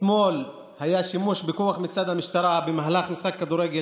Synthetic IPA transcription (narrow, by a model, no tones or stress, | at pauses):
mol | hajaʃimuʃbekuaχmit͡sad̪hamiʃt̪aɾˤabemaɦlaχmisχakːad̪uɾeɡe